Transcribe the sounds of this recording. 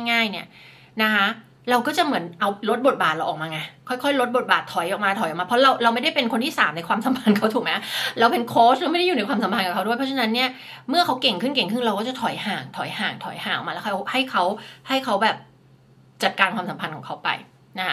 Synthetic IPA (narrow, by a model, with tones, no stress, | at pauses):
ŋa˥˩jŋaː˥˩jni˥˩ɐ | na˦˥kʰa˦˥ | ɾa˧wkɔː˥˩t͡ɕa˨˩ʔmɯ˩˦ənʔa˧wɾo˦˥t̪̚bo˨˩t̪̚baː˨˩t̪̚ɾa˧ʔɔː˨˩maː˧ŋa˧jkʰɔ˥˩jkʰɔ˥˩jɾo˦t̪̚bo˨˩t̪̚baː˨˩t̪ʰːɔ˨˩˦jʔɔ˨˩k̚maː˧t̪ʰɔ˨˩˦jʔmaː˧pʰɾɔ˦˥ɾa˧wɾa˧wm˥˩jda˥˩jpe˧nkʰo˧nt̪ʰiː˥˩saː˩˦mna˧jkwaː˧msa˩˦mpʰa˧nkʰa˦˥wt̪ʰuː˨˩kmɛ˦˥ɾa˧wpe˧nkʰoː˦˥ɾa˧wma˥˩jda˥˩juː˨˩na˧jkwaː˧msa˩˦pʰa˧nkɔː˨˩kʰa˦˥du˥˩əjpʰɔ˦˥t͡ɕʰa˧na˦˥nːi˥˩ɐ | mɯ˥˩ɐkʰa˦˥wke˨˩ŋkʰɯ˥˩nke˨˩ŋkʰɯ˥˩ŋɾa˧wkɔː˥˩t͡ɕa˨˩t̪ʰɔ˩˦jhaː˨˩ŋt̪ʰɔ˨˩˦jhaː˨˩ŋt̪ʰɔ˨˩˦jhaː˨˩˦ŋɔ̰˨˩maː˧˦˥kʰːo˦˥ha˥˩jkʰa˦˥wha˥˩jkʰa˦˥wbɛː˨˩p̚ | t͡ɕa˨˩t̪̚kaː˧nkʰwaː˧msa˨˩˦mpʰa˧nkʰɔː˩˦kʰa˦˥wpa̰˧j | na˦